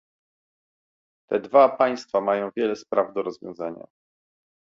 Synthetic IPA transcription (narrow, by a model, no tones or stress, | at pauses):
t̪ɛd̪vapaj̃st̪famajɔ̃w̃vʲjɛlɛspɾavd̪ɔɾɔzvʲjɔ̰̃w̃zaɲa̰